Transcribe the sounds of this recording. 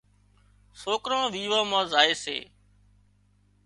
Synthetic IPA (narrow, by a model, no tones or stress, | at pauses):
soːkɾãːʋiːʋãːmãːzaːeːsḛː